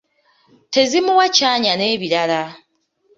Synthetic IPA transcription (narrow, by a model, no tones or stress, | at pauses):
tʰe̞zimuwacaɲaneβiɾala